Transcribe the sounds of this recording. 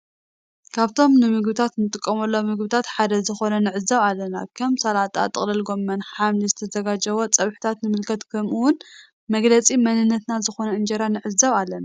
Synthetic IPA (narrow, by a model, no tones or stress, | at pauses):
kʰaβt̪ʰo̞mnɨmɨɡbɨt̪ʰat̪nɨt̪ʼɨkʼːɐmɐlːomɨɡbɨt̪ʰat̪ħad̪ɐzɨxo̞nɐnɨʕɨzɐβalːɐnakʰɐmsalat̪ʼa̰t̪ʼːɨ̰χʼlɐlɡo̞mːɐnħamlizɨt̪ʰɐzɐɡad͡ʒɐβot͡sʼɐβħɨ̥t̪ʰat̪nɨmɨlkʰɐt̪kʰɐmʔuwʊn | mɐɡlɐt͡sʼimɐnɨnːɐt̪nazɨxo̞nɐɨnd͡ʒɐɾanɨʕɨzɐβalːɐna